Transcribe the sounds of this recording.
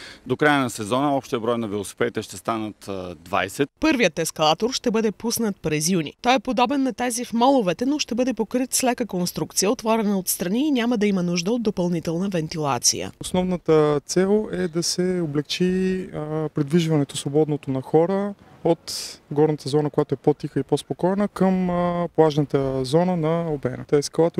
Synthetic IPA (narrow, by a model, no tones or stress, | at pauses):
d̪okɾajənɐsɛzɔnəɔpʃt̪ijəbɾɔjnɐvilˠosi̥pɛd̪it̪ɛʃt̪ɛst̪anət̪d̪va̰jsɛt̪pɤɾvijət̪ɛskɐlˠat̪oɾʃt̪ɛbɤd̪ɛpusnət̪̚pɾɛzjunḭt̪ɔjɛpod̪ɔbɛnːɐt̪ɛzifmɔlˠovɛt̪ɛnoʃt̪ɛbɤd̪ɛpokɾit̪slɛkəkonst̪ɾukt̪sijəot̪vɔɾɛnəot̪st̪ɾɐniːnʲaməd̪ɐimənuʒd̪əod̪ːopɐlˠnit̪ɛlˠnəvɛnt̪ilˠat̪sḭjə̰osnɔvnət̪ət̪sɛlˠɛd̪ɐsɛoblɛkt͡ʃi | pɾid̪viʒvɐnɛt̪osvobɔd̪not̪onɐxɔɾə | ot̪ɡɔɾnət̪əzɔnəkojat̪oɛpot̪ixəipospokɔjnəkəmplˠaʒnət̪əzɔnənɐobɛ̰nə̰t̪ɔɛsklˠat̪o